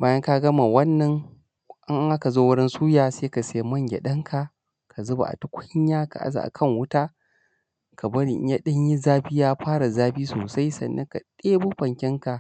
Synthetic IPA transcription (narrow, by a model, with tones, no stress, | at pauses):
baː˦jɐ˦ŋka˦ɡɐ˦ma˨wɐ˦nːɐ˨ŋ | ʔɪ˦ŋʔŋʔa˦ka˨zoː˦wʊ˦ɽɪ˦nsuː˦jaː˨seː˦ka˨seː˨˦mɐ˦˨ŋɡʲḛ˨ɗɐ˦ŋkʰa˨ | kʰa˨zʊ˦ba̰˨ʔa̰˨tu˦kʷʰʊ˦ɲ˦jaː˦ka̰˨ʔa̰˦za̰˨a̰˨kʰɐ˦˨ŋwʊ˦taː˦ | kʰa˨bɐ˦ɽḭ˨ʔɲja˦ɗɐ˦ɲji˦zaː˦ɸɪ˦jaː˦ɸaː˦ɾa˨zaː˦ɸiː˦so̰ː˨sa˦jsɐ̰˨nːɐ˦ŋka˨ɗeː˦bu˦ɸɐ˨ŋkʲɪ˦ŋka˨ʔ